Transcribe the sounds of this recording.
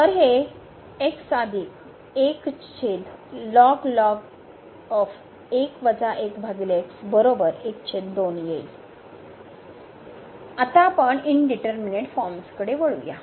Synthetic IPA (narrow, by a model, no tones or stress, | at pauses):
t̪əɾɦe | eksad̪ʱiːk | ekt͡ɕʰed̪lɔɡlɔɡ | ɔf | ekʋəd͡zaʔekbʱaɡileksbəɾobəɾekt͡ɕʰed̪d̪onjej | at̪apəɳinɖiʈəɾmineʈfɔɾmskəɽeʋəɭṵja̰